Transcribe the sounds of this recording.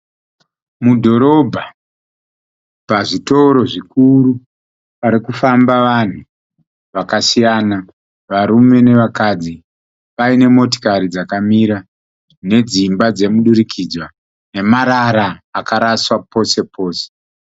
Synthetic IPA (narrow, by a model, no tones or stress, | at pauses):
mudʱo̞ɾo̞bʱa | paʐito̞ɾo̞ʐikuru | paɾikufambaʋan̤u | ʋakasijaːna | ʋaɾume̞ne̞ʋakad͡zi | ʋaine̞mo̞t̬i̥kaɾid͡zakamiɾa | ne̞d͡zimbad͡ze̞muɗuɾikʰid͡zwa | ne̞maɾaɾaːkaɾaswapo̞se̞po̞ːse̥